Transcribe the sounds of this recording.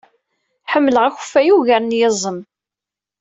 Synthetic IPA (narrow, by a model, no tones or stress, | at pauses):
ħəmːləʁæç̥fæjuʝæɾnjəzˤəm